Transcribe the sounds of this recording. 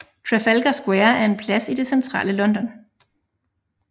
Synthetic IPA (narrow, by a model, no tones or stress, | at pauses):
t͡sʰʁɛfælɡ̥ɐsɡ̥weːɐæɐe̝npʰlæsid̥e̝sent͡sʰʁɑ̰ːləlɒ̽nd̥ɒ̽n